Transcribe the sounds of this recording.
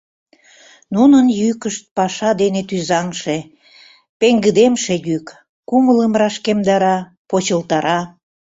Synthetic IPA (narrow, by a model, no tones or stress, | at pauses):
nunənjykəʃt̪̚pɑʃɑd̪enet̪yzɑŋʃe | peŋɡəd̪emʃejyk | kumələmrɑʃkemd̪ɑɾɑ | pot͡ɕəlt̪ɑɾɑ